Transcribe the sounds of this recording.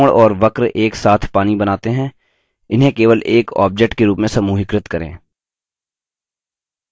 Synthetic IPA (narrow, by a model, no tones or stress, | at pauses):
ɽɔːɾʋɐkɾeːksaːt̪ʰpaːnibɐnaːt̪eɦɛ̃ː | ɪnɦẽkeːʋəlʔeːkɔ̰ːb̚d͡ʒek̚ʈkeɾuːpmẽsɐmuːɦɪkɾɪt̪kɐɾḛ̃ː